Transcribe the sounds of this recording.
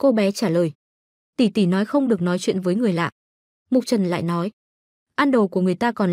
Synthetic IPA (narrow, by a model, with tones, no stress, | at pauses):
ko˧ɓɛ˨˦t͡ɕaː˧˩ləː˨˩j | t̪i˧˩t̪i˧˩nɔ˨˦jxə˧wŋ͡mɗɨ˨˩ək̚nɔ˨˦jt͡ɕwḭ˧˨ənvəː˨˦jŋɨ˨˩əjla̰ː˧˨ʔ | mu˨˩t͡ɕə˨˩nla̰ː˧˨jnɔ˨˦j | ʔaː˧nɗo˨˩ku˧˩əŋɨ˨˩əjt̪aː˧kɔ˨˩n